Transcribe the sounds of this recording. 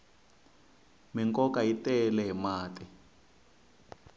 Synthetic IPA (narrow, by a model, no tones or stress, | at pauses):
miŋkɔkaitɛlɛɦimaːtɛ